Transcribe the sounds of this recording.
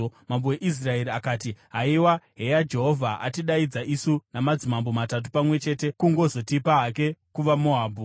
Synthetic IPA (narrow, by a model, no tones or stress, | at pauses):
mamboweʔis̬rae̞ɾiakaːtiɦaiwaɦe̞jad͡ʒe̞ɦo̞vʱaʔa̰tiɗaid͡zaʔisunamad͡zimambomatat̬u̥pamwe̞t͡ʃe̞ːte̞kuŋɡo̞zo̞tipaɦak̬e̞kuʋamo̞ɦaːbʱu